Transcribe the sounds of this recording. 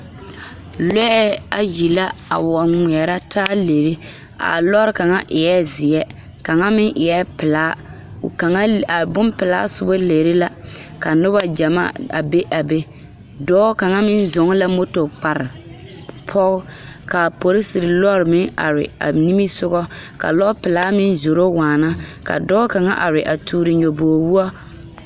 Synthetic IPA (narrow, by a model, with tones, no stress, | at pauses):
lɛ˦ɛ˦a̰˨ji˨la˦a̰˨wa˨ŋʷɛ˨ɛ˨ɾa˦tʰaː˦le˨ɾe˦ | a̰˨lɔ˦ɾɨ˨ka˨ŋa˦ʔɪ˨ɛ˦zɪ˨ɛ˦ | ka˨ŋa˦mɪ˦ŋʔɪ˨ɛ˦pɪ˨la̰ː˦˨ | ka˨ŋa˦a˨bʊ˦npɪ˨la̰ː˦sʊ˦bo˦leː˨ɾe˦la˦ | ka˨nʊ˦ba˦d͡ʒa˨ma̰ː˦a̰˨be˦ʔa˨be˦ | dɔː˦ka˨ŋa˦mɪ˦nzʊ˨˦ŋ˦la˦mo˦to˨k͡pa˨ɾɪ˨ | pʰɔ˦ɣʊ˦ | ka˨po˨ɾɪ˦si˨ɾɪ˨lɔ˦ɾɪ˨mɪ˦ŋa̰˨ɾɪ̰˨a̰˨ni˦mi˦sʊ˦ɣɔ˦ | ka̰˨lɔ˦pɪ˨laː˦mɪ˦nzo˨ɾo˦waː˨na˦ka̰˨dɔː˦ka˨ŋa˦ʔa˨ɾɪ˨ʔa˨tʰuː˨ɾi˨ɲo˨boː˨wu˦ɔ˦